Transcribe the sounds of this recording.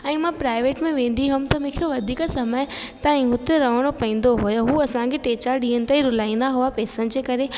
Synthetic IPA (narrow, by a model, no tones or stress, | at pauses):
ɛ̃ːmãpɾaːɪʋeːʈmẽʋẽːn̆d̪iɦʊmt̪ɐmẽːkʰjoʋɐd̪ʱiːksɐməɪt̪aĩɦʊt̪eɾɐʋəɽ̃opɐĩːn̆d̪oɦʊjɦuːɐsãkʰeʈeːt͡ɕaɾɗĩːəñɪ̆t̪eiɾʊlaːĩːnd̪aɦuapɛːsənɪ̆d͡ʑeːkɐɾe